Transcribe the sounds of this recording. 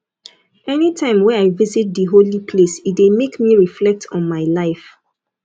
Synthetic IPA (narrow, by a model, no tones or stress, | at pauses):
ɛnitʰãɪ̃mwɛ̃aɪvizit̚dəɦolipʰlesit̚demekmiɹiflɛk̚tʰɔ̃nmaɪlaɪf